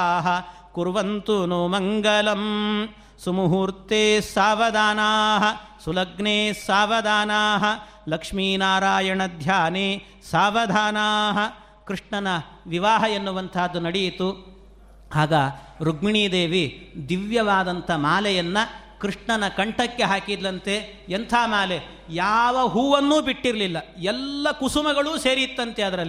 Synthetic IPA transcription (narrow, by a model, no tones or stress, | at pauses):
aːɦɐ | kuɾʋɐnt̪unumɐŋɡɐlɐm | sɐmuɦuɾt̪eːsaːʋɐd̪ʱaːnaːɦɐsulɐɡɳeːsaːʋɐd̪ʱaːnaːɦɐ | lɐkʂmiːnaːɾaːjɐɳɐd̪ʱjaːneː | saːʋɐd̪ʱaːnaːɦɐ̆ | kɾiʂɳɐnɐ | ʋiʋaːɦɐenːuʋɐnt̪ʰaːd̪ːunɐɽijit̪u | haːɡa | ɾuɡ̚miɳiːd̪eːʋid̪iʋjɐʋaːd̪ɐnt̪ʰɐmaːlɛjɐnːɐ | kɾiʂɳɐnɐkɐɳʈɐkːe̞ɦaːkid̪lɐnt̪e̞ | ent̪ʰaːmaːle | jaːʋɐɦuːʋɐnːuːbiʈːiɾɐlilːɐɛlːɐkusumɐɡɐɭuːseːɾit̪ːɐnt̪e̞ɐd̪ɐɾɐlːi